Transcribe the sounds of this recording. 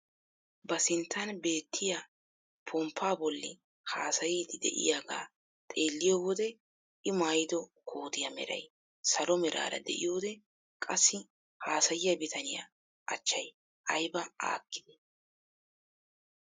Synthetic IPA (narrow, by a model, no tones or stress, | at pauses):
bɐsɪnt̪ʰːɐnbe̞ːt̪ʰːɪja | pʰɔmpʰːaːbɔlːɪ | haːsɐjiːd̪ɪd̪ɛ̰ʔɪ̰jaːɡa̰ː | t̪ʼe̞ːlːɪjowɔd̪ɛ | ɪmaːjd̪ɔkʰo̞ːd̪ɪjɐmɛ̰ɾɐ̰j | sɐlɔmɛɾʔa̰ːɾɐ̰d̪ɛ̰ʔɪ̰joːd̪ɛ | kʼɐsːɪ | haːsɐjɪjɐbɪt̪ʰɐnɪja̰ | ʔɐ̰t͡ʃːɐj | ʔɐjbɐa̰ːkːɪd̪ɪ̥